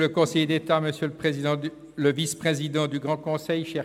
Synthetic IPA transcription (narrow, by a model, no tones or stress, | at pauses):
ləkɔ̃sɛjd̪et̪aməsjøləpχezid̪ɑ̃ | ləvispχezid̪ɑ̃d̪yɡʁɑ̃kɔ̃sɛjʃɛ